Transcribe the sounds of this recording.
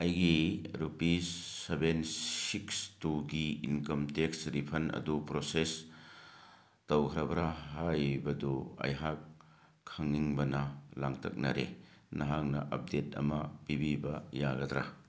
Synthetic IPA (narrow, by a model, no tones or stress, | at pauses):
ɐjɡiɾupisebenssikstuɡiinkɐmteksɾipʰɐnɐ̰dupɾoses | tɐwkʰɐɾɐbɐɾaɦajbɐduɐ̰jɦakʰː | ɐŋniŋbɐnɐlaŋtʰɐ̰k̚nɐɾḛnɐɦaŋnɐ̰ʔɐp̚detɐ̰mɐb̥ibibɐjaɡɐd̪ɾa̰